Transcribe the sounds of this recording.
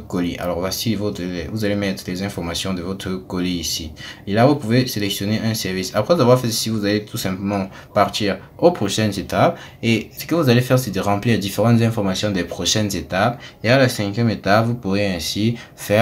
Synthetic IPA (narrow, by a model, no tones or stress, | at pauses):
kɔliʔa̰lɔʁvasivoəvuzalemɛt̪χəlɛzɛ̃fɔʁmasjɔ̃d̪əvɔt̪χəkɔliːsielavupuveselɛksjɔneʔɛ̃sɛʁvisapχɛuzavwaʁfɛsivuzalet̪usɛ̃pləmɑ̃ | paʁt̪iʁ | opχoʃɛnzet̪ap̚ | esə̥kəvuzalefɛʁsɛd̪əʁɑ̃pliʁd̪ifeʁɑ̃t̪zɛ̃fɔʁmasjɔ̃d̪epχɔʃɛnzet̪apealasɛ̃kjɛmet̪apvupuʁeɛ̃sifɛ